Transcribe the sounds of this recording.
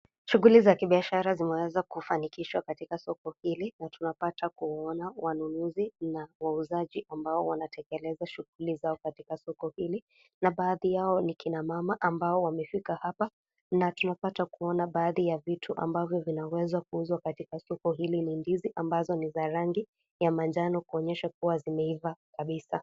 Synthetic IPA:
ʃuɣulizakiɓiaʃaɾazimɛwɛzakufanikiʃwakatikasɔkɔhilinatunapatakuwaɔnawanunuzinawauzaʄiʔambaɔwanatʰɛkɛlɛzaʃuɣulizaɔkatikasɔkɔhili | naɓaːðijaɔnikinamamaʔambaɔwamɛfikahapa | natunapatakuɔnaɓaːðijavitʰuʔa̰mbavjɔvinawɛzwakuuzwakatikasɔkɔɦilinindiziʔambazɔnizaɾaŋɡi | jamand͡ʒanɔkuɔɲɛʃakuwazimɛivakaɓisa

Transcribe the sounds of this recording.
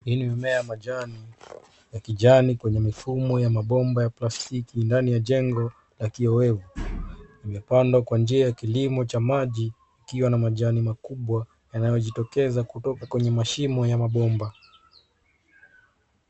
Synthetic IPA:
hinimɛmɛjamaʄani | jakiʄanikwɛɲɛmifumɔjamaɓɔmbajaplastikindanijaʄɛŋɡɔ | lakiɔwɛvu | imɛpandwakwand͡ʒiajakilimɔt͡ʃamaʄiː | kiwanamaʄanimakuɓwa | janajɔʄitɔkɛzakutɔkakwɛɲɛmaʃimɔjamaɓɔmba

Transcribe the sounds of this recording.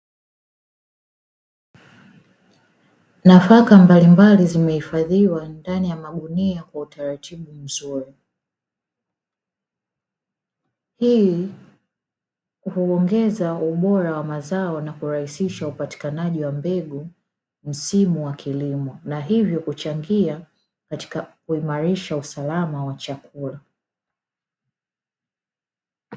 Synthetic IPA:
nafakambalimbalizimɛhifaðiwandanijamaɓuniakwautaɾatiɓum̩zuɾi | hi | uhuɔŋɡɛzauɓɔɾawamazaɔnakuɾahisiʃaupati̥kanaʄiwambɛɠu | m̩simuwakʰilimɔnaɦivjɔkut͡ʃaŋɡia | kati̥kuimaɾiʃausalamawat͡ʃakʰula

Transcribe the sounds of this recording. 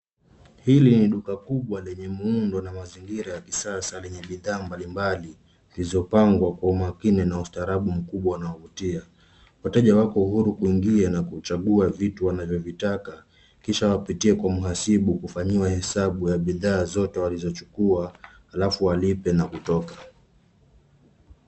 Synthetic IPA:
hiliniɗukakuɓwalɛɲɛmiundɔnamaziŋɡiɾajakisasalɛɲɛɓiðaːmbalimbali | lizɔpaŋɡwakwaumakinɛnaustaːɾaɓum̩kuɓwawanaɔvutia | watɛʄawakɔuhuɾukuiŋɡianakut͡ʃaɠuavituwanavjɔvitaka | kiʃawapitiɛkwamuɦasiɓukufaɲiwahɛsaɓujaɓiðaːzɔtɛwalizɔt͡ʃu̥kua | halafuwalipɛnakutɔka

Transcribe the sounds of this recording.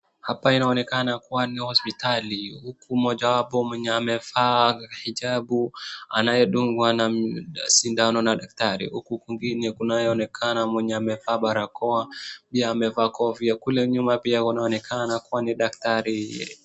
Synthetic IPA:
hapainaɔnɛkanakuwanihɔspitalihukumɔʄawapɔmwɛɲɛamɛvahiʄaɓua̰najɛɗuŋɡwanasindanɔnaɗak̚taɾḭhukukiŋɡinɛkunajɛɔnɛkʰanamwɛɲɛamɛvaːɓaɾakɔapiaːmɛvaːkʰɔviakulɛɲumapiaunaɔnɛkʰanakuwaniɗak̚taɾi

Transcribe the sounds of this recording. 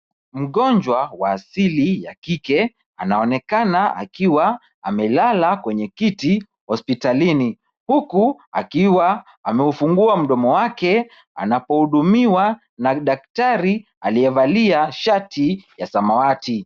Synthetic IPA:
m̩ɠɔɲd͡ʒwawaːsilijakikɛ | anaɔnɛkanaʔa̰kiwa | amɛlalakwɛɲɛkiti | hɔspitalini | hukua̰kiwaː | mɛufuŋɡuam̩ɗɔmɔwakɛ | a̰napɔhuɗumiwa | naɗak̚taɾi | aliɛvaliaʃatʰijasamawati

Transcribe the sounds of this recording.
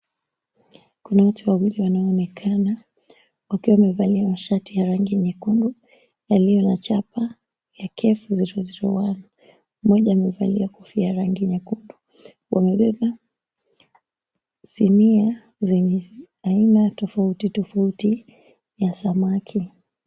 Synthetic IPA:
kunawatuwawiliwanaɔːnɛkʰana | wakiwamɛvaliamaʃatijaɾaŋɡiɲɛkundu | jalijɔnat͡ʃapa | jakʰɛfuziɾɔziɾɔ̰wana | m̩mɔʄaːmɛva̰liakufiaɾaŋɡiɲɛkundu | wʔa̰mɛɓɛɓa | sinia | zɛɲɛ | ainatɔfautitɔfauti | jasamakʰi

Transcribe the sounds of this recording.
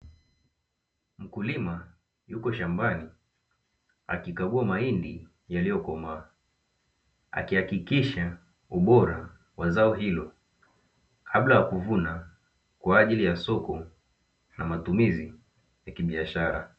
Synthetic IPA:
m̩kulima | jukɔʃambani | a̰kikaɡuamaindi | jalijɔkɔmaː | a̰kihakikiʃa | uɓɔɾa | wazaɔɦilɔ | kʰablajakuvuna | kwaːʄilijasɔkɔ | namatumizi | jakiɓiaʃaɾa̰

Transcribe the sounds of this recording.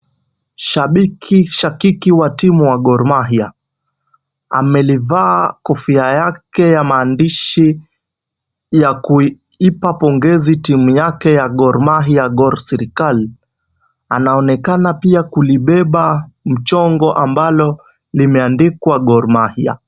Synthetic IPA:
ʃaɓikʰiʃakikiwatimuwaɡɔɾmaɦia | a̰mɛlivaːkɔfiajakɛjamaːndiʃi | jaku | ipapɔŋɡɛzitimujakɛjaɡɔɾmaɦiaɡɔɾsɛɾikali | anaɔnɛkanapiakuliɓɛɓam̩t͡ʃɔŋɡɔʔambalɔ | limɛandikwaɡɔɾmahia̰

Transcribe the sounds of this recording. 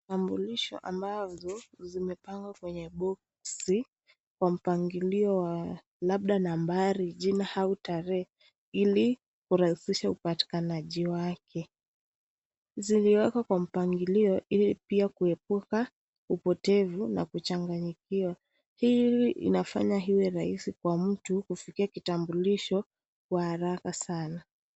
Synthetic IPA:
tambuliʃɔ̰ʔa̰mbazɔzimɛpaŋɡwakwɛɲɛɓɔk | si | kwam̩paŋɡiliɔwa | laɓ̚ɗanambaɾiʄinahautaɾɛ | ili | kuɾahisiʃaupati̥kanaʄiwakʰɛ | ziliwɛkakwam̩paŋɡiliɔilipiakuɛp̚uka | upɔtɛvuna̰kut͡ʃaŋɡaɲikiwa | hiiḭnafa̰ɲaɦiwɛɾaisikwam̩tukufikiakitambuliʃɔ | kwahaɾakasana

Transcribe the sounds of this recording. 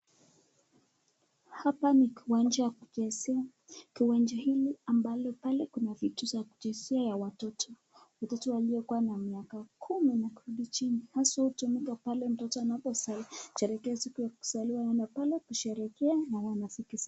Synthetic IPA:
hapanikiwand͡ʒajakukɛsia | kiwand͡ʒɔhiliambalɔpalɛkunavituzaku̥d͡ʒinsiajawatɔtʰɔ | watɔtɔwaliɔkuwanamiakakʰuminakuɾuɗit͡ʃinihaswahutumikapalɛm̩tɔtɔanapɔsaliʃɛɾɛkɛasikujaku̥saliwajanapalɛkuʃɛɾɛkɛanawanasikisa

